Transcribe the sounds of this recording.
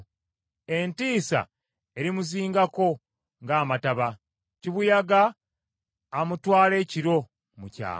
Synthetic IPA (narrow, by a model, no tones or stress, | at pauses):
e̞ntiːsa̰ | e̞ɾimuziːŋɡako̞ | ŋɡaːmataβa | ciβujaɡaː | mutwaːle̞ːciɾo̞ | muca̰ː